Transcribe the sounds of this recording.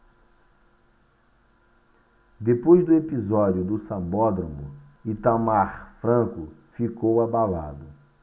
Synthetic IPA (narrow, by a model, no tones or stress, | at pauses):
d̪epojzd̪ʊepizɔd͡ʒjʊd̪ʊsɐ̃bɔd̪ɾõmʊ | it̪amaɾfɾɐ̃kʊfikowabala̰d̪ʊ